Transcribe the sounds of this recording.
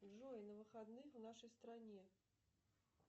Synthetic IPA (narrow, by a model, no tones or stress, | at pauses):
ʐɔnɐvɨxad̪nɨxwnaʂɐjst̪ɾanʲɛ